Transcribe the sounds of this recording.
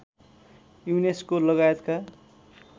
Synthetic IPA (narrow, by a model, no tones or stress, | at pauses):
juneskolʌɡajʌt̪ka